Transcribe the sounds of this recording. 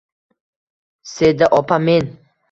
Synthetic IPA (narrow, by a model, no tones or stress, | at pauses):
sed̪aʔɒpʰamen